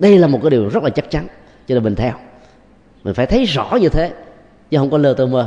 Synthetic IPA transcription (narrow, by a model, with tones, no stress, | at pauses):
ɗə˧jlaː˨˩mo˨˩kːɗi˨˩wzə˦˥t̚laː˨˩t͡ɕa˦˥k̚t͡ɕa˨˦n | zɔ˧e˧˩mï˨˩ŋ̟t̪ʰɛ˧w | mï˨˩ŋ̟faː˧˩jt̪ʰjzɔ̰˧˨ɲɨ˧t̪ʰe˨˦ | t͡ɕɨ˧˦ɦə˧˩wŋ͡mkɔ˨˦lɨ˧ət̪ə˧məː˧˩